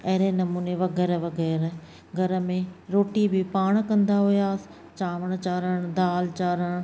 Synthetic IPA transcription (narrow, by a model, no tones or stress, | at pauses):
ɐɦɾenɐmuːneʋɐɣɛːɾʋɐɣɛːɾ | ɡʱɐɾə̆mẽɾoːʈibɪpaːɽ̃kɐ̃nd̪aɦʊjaːsɪ̥ | t͡ɕaːʋəɽ̃t͡ɕaːɾəɽ̃d̪aːlt͡ɕaːɾəɽ̃